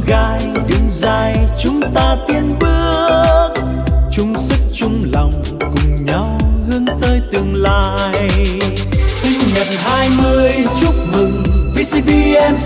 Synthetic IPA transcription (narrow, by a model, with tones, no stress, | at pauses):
ɣaː˧jɗɨ˨˧˦ŋzaː˧jt͡ɕʊ˨˦ŋ͡mt̪aː˧t̪i˧ənɓɨ˦˥əəək̚ | t͡ɕʊ˨˧˦ŋ͡msɨ˦˥k̚t͡ɕʊ˧ŋ͡mlɔ˨˩wŋ͡m | kʊ˨˩ŋ͡mɲa˧˦whɨ˧əŋt̪əː˧jt̪ɨ˨˩əŋlaː˨ | j | sï˧ŋ̟ɲə˨˩t̚haː˧jmɨ˧əjt͡ɕʊ˦˥k͡p̚mɨ˨˩ŋvi˧si˧ti˧ɛ˧m